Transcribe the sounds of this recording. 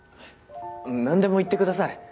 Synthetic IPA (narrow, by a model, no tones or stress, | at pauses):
ɯ̃nãnd̪e̞mo̞it̪ːe̞kɯd̪asai